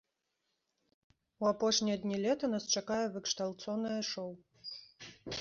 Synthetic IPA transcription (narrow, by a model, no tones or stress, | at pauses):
uapɔʂnʲijɐd̪nʲilʲɛt̪ɐnast͡ʂakajɛvɨkʂt̪alˠt̪sɔnɨjɐʂɔw